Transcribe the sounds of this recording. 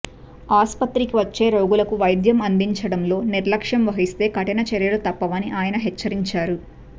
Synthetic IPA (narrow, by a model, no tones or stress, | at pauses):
aːspɐt̪ɾikiʋɐt͡ʃːe̞ːɾoːɡulɐkuʋɐjd̪jɐmɐnd̪iɲt͡ʃɐɽɐmlo̞ːniɾlɐkʂɐmʋɐɦist̪e̞ːkɐʈɐnɐt͡ʃɛɾjɐlut̪ɐpːɐʋɐniʔaːjɐnɐɦɛt͡ʃːɐɾiɲt͡ʃaːɾu